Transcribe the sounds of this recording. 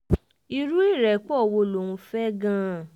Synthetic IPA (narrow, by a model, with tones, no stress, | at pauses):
i˧ɾu˦i˦˨ɾɛ˨k͡pɔ˦˨wo˧lo˨wũ˧fɛ˦ɡã˦˨